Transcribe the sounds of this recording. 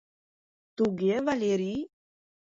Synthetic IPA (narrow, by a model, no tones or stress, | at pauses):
t̪uɡevaleɾi